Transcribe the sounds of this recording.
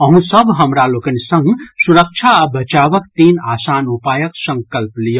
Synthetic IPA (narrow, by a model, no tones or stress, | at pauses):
əɦũsəbʱɦəmɾalokənsə̃ŋɡsuɾək̚t͡ʃʰaabʱət͡ʃaːʋək̚t̪iːnaːsaːnupajəksə̃ŋkəlplijə